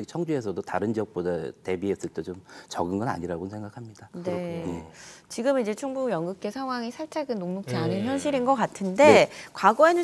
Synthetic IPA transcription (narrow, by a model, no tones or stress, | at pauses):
ɡt͡ɕʰʌŋd͡ʑue̞s̬ʰʌdotaɾɯnd͡ʑiʌk̚p͈odate̞biɦes͈ɯɭt͈ʰet͡ɕomt͡ɕʌɡɯnɡʌna̰ɲiɾaɡoɯnsʰe̞ŋɡakʰamɲidane̞ | t͡ɕiɡɯmid͡ʑe̞t͡ɕʰuŋbujʌŋɡɯk̚k͈esʰaŋɦwaŋisʰaɭt͡ɕ͈aɡɯnːoŋmok̚t͡ɕ͈ianɯnçjʌnɕ̬ʰiɾinɡʌk͈atʰɯnde̞kwaɡʌe̞nɯ